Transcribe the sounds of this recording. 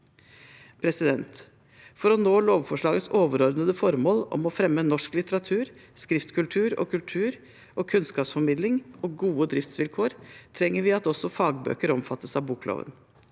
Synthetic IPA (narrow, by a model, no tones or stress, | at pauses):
pʰɾɛsɪd̪ɛnt̪ | fɔɾɔnoːloːʋfɔʂɭɑːɡət̪soːʋəɾɔɾd̪nəd̪əfɔɾmoːlɔ̰mɔfɾɛmːənɔʂklɪt̪əɾɑt̪ʰʉːɾ | skɾɪft̪kʰʉlt̪ʰʉːɾɔ̰ːkʰʉlt̪ʰʉːɾ | ʔɔːkʰʉnskɑːpsfɔɾmɪd̪lɪŋɔɡuːəd̪ɾɪft̪sʋɪlkʰoːɾt̪ʰɾɛŋːəɾʋɪɑt̪ɔsɔfɑːɡbø̰ːkəɾɔmfɑt̪ːəsɑʋbuːklo̰ːʋə̰n